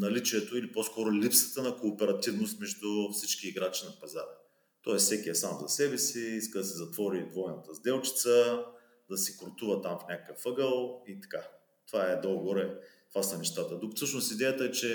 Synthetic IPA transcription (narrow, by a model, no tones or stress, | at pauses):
nɐlit͡ʃiɛt̪oiliposkɔɾʊlipsə̥t̪ənɐkoːpɛɾɐt̪ivnʊst̪mɛʒd̪ufsit͡ʃkiːɡɾat͡ʃinɐpɐzaɾɛ | t̪ɔɛssɛkiɛsamzɐsɛbɛsiiskəd̪ɐsɛzɐt̪vɔɾid̪vɔjnɐt̪əzd̪ɛlˠt͡ʃi̥t̪sə | d̪ɐsikɾt̪uvət̪amfnʲakəkəfɤɡəlˠit̪ɐ̥ka | t̪ovaɛd̪olˠɡvoɾɛt̪ovasɐnɛʃt̪at̪əd̪ukfsɤʃnʊst̪id̪ɛjət̪əɛt͡ʃɛ